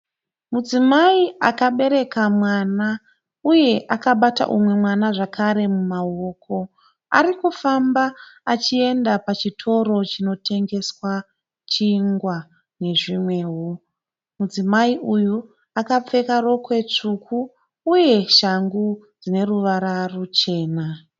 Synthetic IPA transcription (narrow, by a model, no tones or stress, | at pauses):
mud͡zimaiakaɓe̞ɾe̞kamwana | uje̞ʔakaɓata̰ʔumwe̞mwanaʐakʰaɾe̞mumao̞ːkʰo̞ | a̰ɾikufambaːt͡ʃie̞ndapat͡ʃitʰo̞ɾo̞t͡ʃino̞tʰe̞ŋɡe̞swa | t͡ʃiːŋɡwa | ne̞ʐimwe̞ːɦu | mud͡zimaiʔuju | akap͡fe̞kaɾo̞kwe̞t͡ʂukʰuː | je̞ʃaŋɡu | d͡zine̞ruʋaɾarut͡ʃe̞ːna